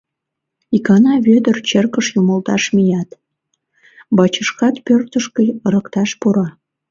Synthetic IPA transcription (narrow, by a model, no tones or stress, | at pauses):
ikɑnɑβød̪ərt͡ɕerkəʃjuməlt̪ɑʃmijɑt̪ | bɑt͡ɕəʃkɑt̪pørt̪əʃkə̆jɾə̆kt̪ɑʃpuɾɑ